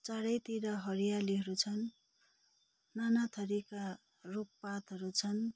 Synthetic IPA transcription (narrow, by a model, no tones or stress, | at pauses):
t͡saɽʌjt̪iɾʌɦʌɾijaliɦʌɾut͡sʰʌn | anat̪ʰʌɾika | ruppat̪ɦʌɾut͡sʰʌn